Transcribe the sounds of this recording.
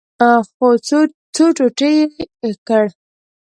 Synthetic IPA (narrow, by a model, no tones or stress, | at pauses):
xo | t͡soʈoʈəjekəɽ